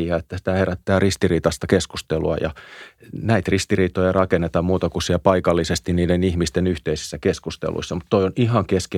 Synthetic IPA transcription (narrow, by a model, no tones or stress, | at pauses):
ɑet̪ːæsi̥t̪æheræt̪ːæːrist̪iriːt̪ɑst̪ɑkeskust̪eluɑ̰jɑ̰ | næit̪rist̪iriːt̪ˑojɑrɑkenːet̪ɑmmuːt̪ɑkussiælpɑikɑlːisest̪inniːdenihmist̪enyht̪eisi̥sːækeskust̪ḛlṵisːɑmut̪t̪oioniɦɑŋkeske